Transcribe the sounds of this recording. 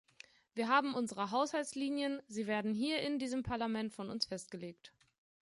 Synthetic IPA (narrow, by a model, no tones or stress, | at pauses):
viːɐɦaːbm̩ʔʊnzəʁəɦaʊshalsliːnjənziːveːɐdn̩ɦiːɐʔɪndiːzəmpʰaɐlamɛntfɔnʊ̰nsfɛst̚ɡ̥əleːkt